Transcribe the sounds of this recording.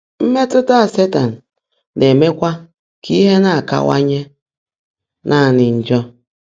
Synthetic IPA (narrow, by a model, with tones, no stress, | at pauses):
m̩˦me˦tʊ˦ta˦a˨se˦ta˨n̩˨ | ne˨me˦kʷa˦ | kʰi˦ɦe˦na˦a˨ka̰˦wa̰˦ɲe˦ | nʔa˦˨nɪ˨n̩˨d͡ʒɔ˦